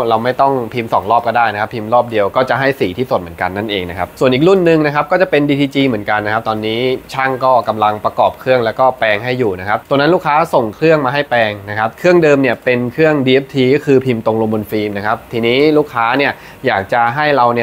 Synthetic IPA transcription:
ɾa˧wma˥˩jt̪ɔ˥˩ŋpʰi˧msɔ̰ː˨˩˦ŋlɔː˥˩p̚kɔː˥˩daː˥˩jna˦˥kʰa˦˥pʰi˧mɾɔː˥˩p̚di˧əwkɔː˥˩t͡ɕa˨˩ɦa˥˩jsiː˩˦t̪ʰiː˥˩so˨˩t̪̚mɯ˩˦ə˦ŋka˧nːa˥˩nʔeː˧ŋna˦˥kʰa˦˥p̚su˨˩ənʔi˨˩ɾu˥˩nːɯ˨˧ŋna˦˥kʰa˦˥p̚kɔː˥˩t͡ɕa˨˩pe˧ndiː˧t̪ʰiː˧t͡ɕiː˧mɯ˩˦ənka˧nːa˦˥kʰa˦˥p̚t̪ɔː˧nːiː˦˥t͡ɕʰa˥˩ŋkɔː˥˩ka˧mla˧ŋpɾa˧kɔː˨˩p̚kʰɾɯ˥˩əŋlɛː˦˥wkɔː˥˩pɛː˧ŋɦa˥˩jːuː˨˩na˦˥kʰa˦˥p̚t̪o˧na˦˥luː˥˩kʰːaː˦˥so˨˩ŋkʰɾɯ˥˩əŋmaː˧ɦa˥˩jpɛː˧ŋna˦˥kʰa˦˥p̚kʰɾɯ˥˩əŋdɤː˧mni˥˩əpe˧nkʰɯ˥˩əŋdiː˧ʔe˦˥p̚t̪ʰiː˧kɔː˥˩kʰɯː˧pʰi˧mt̪o˧ŋlo˧mbo˧nfiː˧mna˦˥kʰa˦˥p̚t̪ʰiː˧niː˦˥luː˥˩kʰːaː˦˥ni˥˩ɐ | jaː˨˩k̚t͡ɕa˨˩ɦa˥˩jɾa˧wni˥˩

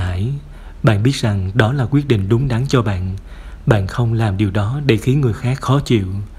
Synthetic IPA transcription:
aː˧˩j | ɓa̰ː˧˨nɓi˦˥ət̚za˨˩ŋɗɔ˨˦laː˨˩kwi˦˥ət̚ɗḭ˧˨ŋ̟ɗʊ˨˦ŋ͡mɗa˨˦ŋt͡ɕɔ˧ɓa̰ː˧˨n | ɓa̰ː˧˨nxə˧wŋ͡mlaː˨˩mɗi˨˩əwɗɔ˨˦ɗe˧˩xi˨˦ənŋɨ˨˩əjxaː˦˥k̚xɔ˨˦t͡ɕḭ˧˨w

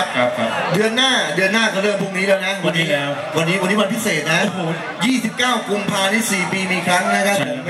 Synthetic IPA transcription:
p̚ʰkʰa˦dɯ˧ənːaː˥˩dɯ˧ənːaː˥˩kɔ˧˩lɤː˧npʰu˨˧˩ŋ̚niː˦˥lɛː˦˥˩na˦˥wa˧nːiː˦˥lɛː˦˥w | wa˧nːiː˦˥wa˧nːiː˦˥ma˧npʰi˦˥seː˨˩t̪̚na˦˥ | jiː˥˩si˨˩p̚kaː˥˩wku˧mpʰaː˧ni˦˥˩siː˨˩piː˧miː˧kʰɾa˦˥ŋna˦˥kʰa˦˥

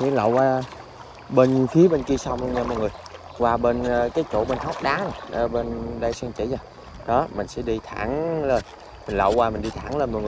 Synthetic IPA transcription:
kḭ˧˦lə̰˧˨wkwaː˧ | ɓe˧nfi˨˦əɓe˧nki˧əsa˧wŋ͡mlu˧ŋɲaː˧˩mɔ̰˨jŋɨ˨˩əj | kwaː˧ɓe˧n˧kaː˨˦jt͡ɕo̰˧˩ɓe˧nha˦˥wk͡p̚ɗaː˨˦˨ə˨˧˩ɓe˧nɗə˧jsɛ˧ŋt͡ɕḭ˧˩˦zə˨˩ | ɗɔ˨˦mï˨˩ŋ̟sɛ̰˧˥ɗi˧t̪ʰa̰ː˧˩ŋlə˧˩ | mï˨˩ŋ̟lə̰˧˨wkwaː˧mï˨˩ŋ̟ɗi˧t̪ʰaː˧˩ŋləː˧nm˨˩ŋɨ˨˩

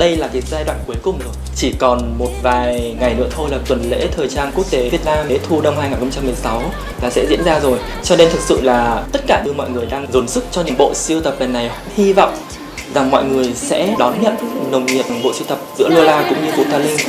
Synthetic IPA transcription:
ɗə˧jlaː˨˩ki˨˦ək̚zaː˧jɗwa̰ː˧˨nku˨˦əjkʊ˨˩ŋ͡mzɨ˨˩jt͡ɕi˧˩kɔ˨˩nmo˨˩t̚vaː˨˩jŋa˨˩jnɨ̰˧˥ət̪ʰo˧jlaː˨˩t̪wə˨˩nlḛ˧˥t̪ʰəː˨˩jt͡ɕaː˧nku˦˥ək̚t̪e˨˦vi˨˩ət̚naː˧me˨˦t̪ʰu˧ɗə˧wŋ͡mhaː˧jaː˨˩nxə˧ŋ͡mt͡ɕa˧mːɨ˨˩əjsa˨˦w | laː˨˩sɛ̰˧˥zḭ˧˥ənzaː˧zo˨˩j | t͡ɕɔ˧ne˧nt̪ʰɨ˨˩k̚sɨ̰˧˨laː˨˩t̪ə˦˥t̚kaː˧˩ɗɨ˧mɔ̰˧˨jŋɨ˨˩əjɗaː˧ŋzo˨˦nsɨ˦˥k̚t͡ɕɔ˧ɲɨ̰˧˥ŋɓo̰˧˨si˧əwt̪ə˨˩p̚lə˨˩nːa˨˩jha̰˧˥hi˧vɔ̰˧˨wŋ͡m | za˨˩ŋmɔ̰˧˨jŋɨ˨˩əjsɛ̰˧˥ɗɔ˨˦nɲə̰˧˨nnə˨˩wŋ͡mŋḭ˨ən˨˩ɓo̰˧˨si˧wt̪ə˨˩p̚zɨ̰˧˥əlu˧əlaː˧kʊ̰˧˥ŋ͡mɲɨ˧vṵ˧˩t̪aː˧lï˧ŋ̟

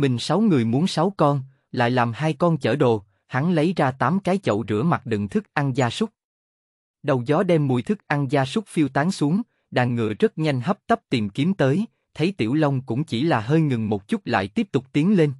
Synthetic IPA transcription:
mï˨˩ŋ̟sa˨˦wŋɨ˨˩əjmu˨˦ənsa˨˦wkɔ˧n | la̰ː˧˨jlaː˨˩mhaː˧jkɔ˧nt͡ɕəː˧˩ɗo˨˩ | ha˨˦ŋlə˨˦jzaː˧t̪aː˨˦mkaː˨˦jt͡ɕə̰˧˨wzɨ̰˧˩əma˨˩t̚ɗɨ̰˧˨ŋt̪ʰɨ˦˥k̚ʔa˧nzaː˧sʊ˦˥k͡p̚ | ɗə˨˩wzɔ˨˦ɗɛ˧mːu˧˩jt̪ʰɨ˦˥k̚ʔa˧nzaː˧sʊ˦˥k͡p̚fi˧əwt̪aː˨˦ŋsu˨˦əŋ | ɗaː˧˩ŋːɨ̰˧˩əzə˦˥t̚ɲa˧jŋ̟ɦə˦˥p̚t̪ə˦˥p̚t̪i˨˩mki˨˦əmt̪əː˨˦j | t̪ʰə˨˦jt̪ḭ˧˩əwlə˧wŋ͡mkʊ̰˧˥ŋ͡mt͡ɕi˧˩laː˨˩ɦəː˧jŋɨ˨˩ŋmo˨˩t̚t͡ɕʊ˦˥t̚la̰ː˧˨jt̪i˦˥əp̚t̪ʊ˨˩k͡p̚t̪i˨˦əŋle˧n

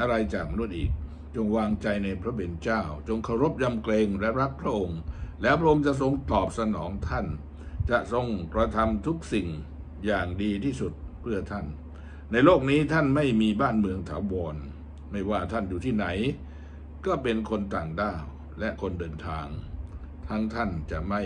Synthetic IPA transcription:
ʔa˧ɾa˧jt͡ɕaː˨˩k̚ma˧nu˦˥t̪̚ʔiː˨˩k̚ | t͡ɕo˧ŋwaː˧ŋt͡ɕa˧jna˧jpʰɾa˦˥we˧nt͡ɕaː˥˩wt͡ɕo˧ŋkʰa˧˩wɾo˦˥p̚ja˧mkleː˧ŋlɛ˦˥ɾa˦˥k̚pʰɾa˦˥ʔo˧ŋlɛː˦˥wpʰɾa˥ʔo˧ŋt͡ɕa˨˩ʔso˧ŋt̪ɔː˨˩p̚sa˧nɔː˩˦ŋt̪ʰa˥˩n | t͡ɕa˨˩ʔso˧ŋkɾa˧t̪ʰa˧mt̪ʰu˦˥k̚si˨˩ŋ | jaː˨˩ŋdiː˧t̪ʰiː˥˩su˨˩t̪̚pʰɯ˥˩ɐt̪ʰa˥˩nː | a˧jloː˥˩k̚niː˦˥t̪ʰa˥˩nma˥˩jmiː˧baː˥˩nmɯ˧əŋt̪ʰaː˩˦wɔː˧n | ma˥˩jwaː˥˩t̪ʰa˥˩njuː˨t̪ʰiː˥˩na˩˦j | kɔː˥˩pe˧nkʰo˧nt̪aː˨˩ŋdaː˥˩w | lɛ˦˥ʔkʰo˧ndɤː˧nt̪ʰaː˧ŋ | t̪ʰa˦˥ŋt̪ʰa˥˩nt͡ɕa˨˩ʔma˥˩j

